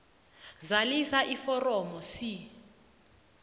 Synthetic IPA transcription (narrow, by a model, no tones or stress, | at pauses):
zalisaʔifɔrɔmɔsi